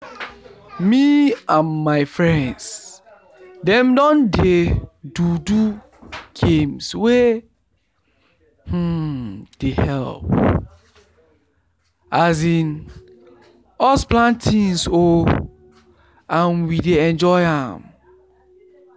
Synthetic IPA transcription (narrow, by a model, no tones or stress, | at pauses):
miãmːaɪfɹɛ̃nds | dɛ̃mdɔ̃ndedudu | ɡ̥ẽmswe | h̩d̥ehɛlp̚ | azĩn | ɔsplãntʰĩnso | ãnwideɛ̃nd͡ʒɔɪãm